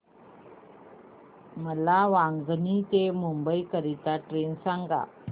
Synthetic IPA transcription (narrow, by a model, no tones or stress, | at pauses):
məlaʋaŋɡnit̪emumbəjkəɾit̪aʈɾensaŋɡa̰